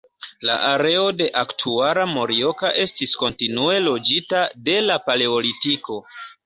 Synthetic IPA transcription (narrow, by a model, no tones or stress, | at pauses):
la̰ʔaɾe̞o̞de̞ʔaktʰuaɾamo̞ɾio̞kaʔe̞stisko̞ntinue̞lo̞d͡ʒitade̞lapale̞o̞litiko̞